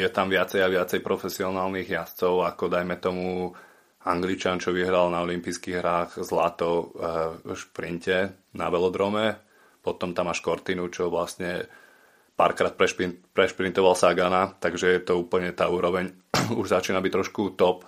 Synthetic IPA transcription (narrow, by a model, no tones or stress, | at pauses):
jɛt̪amʋɪat͡sɛjaʋɪat͡sɛjpɾɔfɛsiɔnaːlniɣjast͡sɔʊakɔd̪ajmɛt̪ɔmu | aŋɡlit͡ʃant͡ʃɔʋiɦɾalnaɔlimpiskiɣɦɾaːɣzla̰t̪ɔʊ | ʃpɾincɛna̰ʋɛlɔd̪ɾɔmɛ | pɔt̪ɔmt̪amaʃkɔɾt̪inut͡ʃɔʋlasɲɛ | pa̰ːɾkɾaːt̪̚pɾɛʃpinpɾɛʃpɾint̪ɔʋalsaɡanat̪aɡʒɛjɛt̪ɔuːpl̩ɲɛt̪aːuːɾɔʋɛɲ | uʒzat͡ʃiːnabict̪ɾɔʃkut̪ɔp